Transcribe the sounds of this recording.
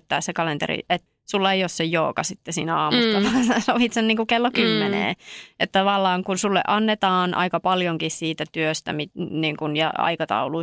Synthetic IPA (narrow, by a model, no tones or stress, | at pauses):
t̪ːæːssekɑlent̪ḛrḭet̪ | sulːɑeiossejjoːkɑsit̪ːesiːnæɑːmust̪ɑʋɑːnsesoʋit̪senniːŋkukelːokymːenḛːet̪t̪ːɑʋɑlːɑːŋkunsulːḛʔɑnːet̪ɑːnʔɑ̰ikɑpɑljoŋkissiːt̪æt̪yøst̪æ̰miniːŋkunjɑ̰ɑ̰ikɑt̪ɑ̰ulu